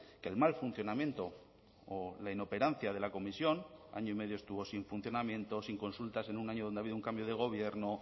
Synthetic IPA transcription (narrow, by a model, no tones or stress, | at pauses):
kelmalfun̟θjo̞namjẽ̞nt̪o̞ː | laino̞pe̞ɾanθjaðe̞lako̞misjo̞na̰ɲoime̞ðjoe̞st̪uβo̞siɱfun̟θjo̞namjẽ̞nt̪o̞siŋko̞nsult̪ase̞nunaɲoðo̞nd̪eaβiðuŋkambjo̞ð̞e̞ɣ̞o̞βje̞ɾno̞